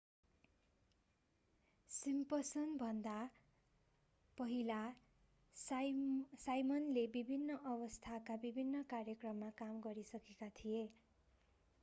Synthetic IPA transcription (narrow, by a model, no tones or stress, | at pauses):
simpʌsʌnbʱʌnd̪a | pʌɦila | sajmʌnlebibʱinːʌʔʌbʌst̪ʰakabibʱinːʌkarjʌkrʌmːakamɡʌɾisʌkekat̪ʰije